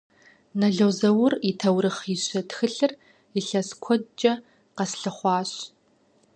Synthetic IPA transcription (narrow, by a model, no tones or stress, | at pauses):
nɐɮɐwzɐwʊritʰɐwɾɨχiɕɐtxɨɬɨr | iɬɐskʷʰɔt͡ʃʼɐ | qɐsɬɨχʷɑːɕ